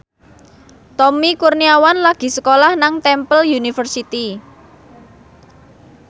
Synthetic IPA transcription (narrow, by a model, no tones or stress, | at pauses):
t̪ɔmikurniawanlaɡ̥i̤səkolahnaŋt̪ɛmpəljunifərsit̪i